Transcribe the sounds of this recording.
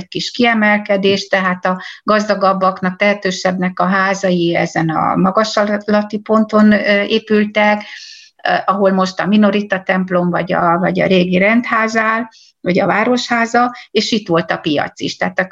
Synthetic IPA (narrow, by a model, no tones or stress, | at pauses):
ckiʃkiɛmɛlkɛd̪eːʃt̪ɛɦaːt̪ɒɡɒzd̪ɒɡɒbːɒknɒk̚t̪ɛɦɛt̪øːʃɛbnɛkɒɦaːzɒjiɛ̰zɛnɒ̰mɒɡɒʃlɒt̪ipo̞nt̪o̞neːpylt̪ɛk | ɒɦo̞lmo̞ʃt̪ɒmino̞ɾit̪ɒt̪ɛmplo̞mvɒɟɒ̰vɒɟɒ̰ɾeːɡiɾɛnt̪haːzaːl | vɒɟɒvaːɾo̞ʃhaːzɒeːʃit̪ʋo̞lt̪ɒpijɒ̰t̪sḭʃt̪ɛɦaːt̪ɒ